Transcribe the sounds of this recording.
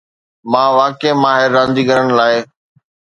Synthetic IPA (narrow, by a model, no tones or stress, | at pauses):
mãːʋaːkemaːɦɪɾːãːnd͡ʒiːɡəɾəɽ̃laːɪ